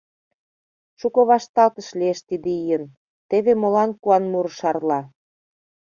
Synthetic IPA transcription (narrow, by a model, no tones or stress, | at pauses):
ʃukɤ̆βɑʃt̪ɑlt̪ə̆ʃlieʃt̪id̪eijə̆n | t̪eβemolɑnkuɑnmuɾʃɑrlɑ